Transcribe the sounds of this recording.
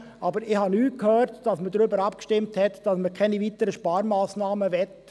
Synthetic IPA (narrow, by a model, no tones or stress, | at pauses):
ʔɑbəɾɪhɑnyːt̚kʰhøːɾtd̥ɑsmədɾʏbəɾɑpkʃtɪmthɛtd̥ɑsməkʰɛnivitəɾəʃpɑːɾmaːsnɑːməʋɛt